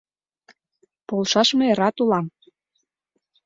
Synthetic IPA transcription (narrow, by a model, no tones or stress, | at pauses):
polʃɑʃmeeɾɑt̪ulɑm